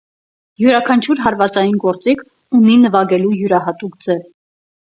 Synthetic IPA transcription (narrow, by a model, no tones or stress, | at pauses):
juɾɑkʰɑnt͡ʃʰuɾɦɑɾvɑt͡sɑjinɡɔɾt͡sikʰ | uninəvɑɡɛlujuɾɑɦɑt̪ukd͡zɛv